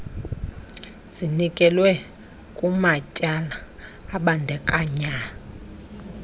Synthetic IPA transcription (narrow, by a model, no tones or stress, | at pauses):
z̥inikʼɛlwɛ | kʼumacʼalaː | ɓandʱɛkʼaɲa